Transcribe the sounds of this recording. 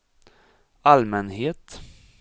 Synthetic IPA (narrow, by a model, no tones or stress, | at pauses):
almɛnɦeːt̪